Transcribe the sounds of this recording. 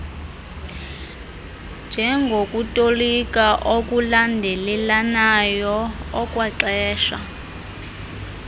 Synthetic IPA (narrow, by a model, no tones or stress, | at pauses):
nd͡ʒʱɛŋɡʱokʼutʼolikʼaʔokʼulandʱɛlɛlanajɔɔkʼwaǀɛːʃa̰